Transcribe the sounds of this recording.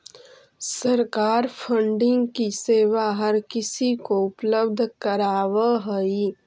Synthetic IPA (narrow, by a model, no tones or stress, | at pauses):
sɐɾkaːɾpʰə̃ɳɖɪ̃ŋɡkiseːwaɦɐɾkɪsikoʊpləb̚d̪ʱkəɾaːʋəɦəi